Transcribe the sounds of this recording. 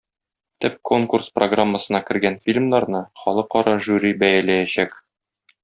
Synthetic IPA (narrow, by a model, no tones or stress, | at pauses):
t̪ɘp̚ko̞ŋkursproɡramːəsɤ̆nɑkɘ̆ɾɡænfʲilʲmnɑɾnɤχɒlˠɤqɒɾɑʒuɾʲibæjælæjæɕæk